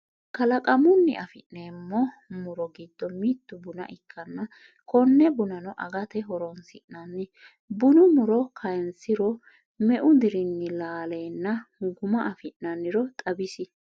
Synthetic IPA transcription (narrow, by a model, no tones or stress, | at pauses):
kɐlɐkʼɐmʊnːɪ̰ʔɐfɪ̰ʔneːmːɔ | mʊɾɔɡɪd̪ːɔmiːt̪ːʊbʊnɐ̰ʔɪkʰːɐnːɐ | kɔnːɛbʊnɐnɔʔɐɡɐt̪ɛɦɔɾɔnsɪʔnɐnːɪ | bʊnʊmʊɾɔkʰɐjnsɪɾɔ | mɛʔʊd̪ɪɾɪnːɪlaːle̞ːnːɐɡʊmɐʔɐfɪnːɐnːɪɾɔt̪ʼɐbɪsɪ